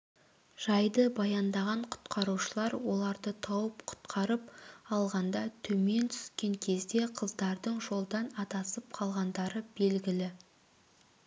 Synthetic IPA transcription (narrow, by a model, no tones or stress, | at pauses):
ʒ̥ɑjd̪əbɑjɑnd̪ɑʁɑɴqʰʊ̥t̪qʰɑɾuʃəlˠɑɾwo̞lˠɑɾd̪ət̪ʰɑwəpqʰʊ̥t̪qʰɑɾəp̚ɑlˠʁɑnd̪ɑt̪ʰɵme̞nt̪ʰʏ̥skʲe̞ŋkʲʰe̞zd̪e̞qʰəzd̪ɑɾd̪əɴʒo̞lˠd̪ɑnɑt̪ɑsəp̚qʰɑlˠʁɑnd̪ɑɾəbe̞lɡʲɪlɪ